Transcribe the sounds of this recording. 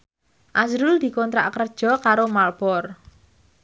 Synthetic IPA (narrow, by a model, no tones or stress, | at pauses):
ʔazɾʊld̪̥i̤kɔnt̪ɾa̰ʔkərd̥ʒ̥ɔ̤kaɾomalb̥ɔr